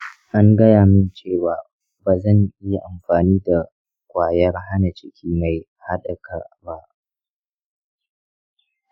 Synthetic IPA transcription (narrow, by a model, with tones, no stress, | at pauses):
ʔa˦ŋɡɐ˦jaː˨mɪ˦nt͡ʃeː˦˨waː˨ | baː˨zɐ˦˨ɲʔɪ˦ja˨ʔa˨mɸaː˨niː˦da˨ | kʷaː˨jɐ˦rɦa˦na˨t͡ʃɪ˦kʲʰiː˦ma˨j | ha˦ɗɐ˨ka˨ba˦ʔ